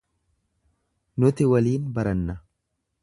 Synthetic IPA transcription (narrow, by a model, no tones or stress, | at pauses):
nʊt̪ɪwɐliːnbɐɾɐnːɐ